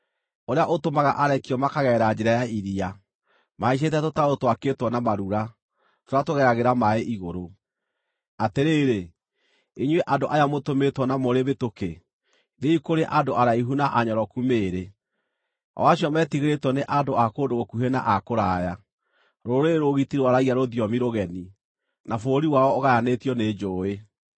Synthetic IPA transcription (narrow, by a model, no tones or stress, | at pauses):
oɾeaʔotomaɣa̰ʔaɾɛkiɔmakaɣɛːɾad͡ʑeɾajaiɾia | maiɕ̬et̬ɛtotaɾotwaketwɔnamaɾuɾa | toɾatoɣɛɾaɣeɾamaeʔiɣoɾo | ateɾeːɾe | eɲweʔadoʔajamotometwɔnamoɾeβetoke | ðeikoɾeʔadoaɾaiɦunaʔaɲɔɾɔkumeːɾe | ɔ̰waɕiɔmɛtiɣeɾetwɔneʔadoakoːdoɣokuɦena̰ʔakoɾaːja | ɾoɾeɾoɣitiɾwaɾaɣiaɾoðiɔmiɾoɣɛni | nafoɾiwaɔːɣajanetjɔned͡ʑoːe